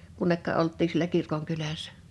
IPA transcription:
kunːekːɑ ʔoltːiː sielæ kirkoŋkylæsˑæ̥

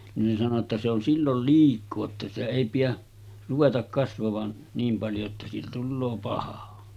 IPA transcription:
nin sɑno tːɑ se on silːol liːkˑoː etːæ sitæ eˑi pijæ ruʋetɑk kɑsʋɑʋɑn niːm pɑljo etːæ siːtæ tulːoː pɑhɑ

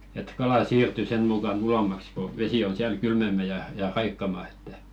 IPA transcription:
et kɑlɑˑ siːrty sen mukɑn ulomːɑks ko ʋesi on siæl kylmemːæ jɑ jɑ rɑikːɑmɑ etːæ

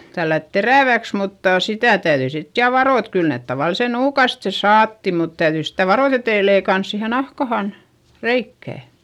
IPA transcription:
tælːæt teræˑʋæks mutːɑˑ sitæˑ tæyðyi sit jɑ ʋɑroˑ et kyl neˑt tɑʋɑlise nuːkɑste sɑːtːi mut tæyðyi sitæ ʋɑroˑt etei leikɑns siːhe nɑhkɑhɑn reikːæˑ

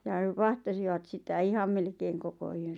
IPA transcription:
j̆ɑ̆ ʋɑhtɑsiʋɑt sitæ ihɑm melkeːŋ koko yøn̞

